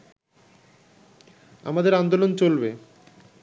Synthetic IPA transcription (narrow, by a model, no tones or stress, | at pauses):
a̰mad̪eɾand̪olont͡ɕolbe